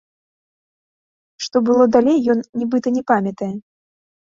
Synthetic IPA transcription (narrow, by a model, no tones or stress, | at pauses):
ʂt̪ɔbɨlˠɔd̪alʲejːɔnːʲibɨt̪ɐnʲɛpamʲɐt̪ɐjɛ